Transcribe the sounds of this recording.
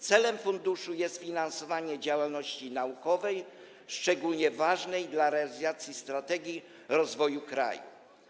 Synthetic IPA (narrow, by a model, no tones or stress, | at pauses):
t̪sɛlɛmfund̪uʂujɛst̪fʲinansɔvaɲɛd͡ʑawalnɔɕt͡ɕinaukɔvɛj | ʂt͡ʂɛɡulɲɛvaʐnɛjd̪laɾɛalʲizat̪sʲjist̪ɾat̪ɛɡʲi | ɾɔzvɔjukɾa̰jṵ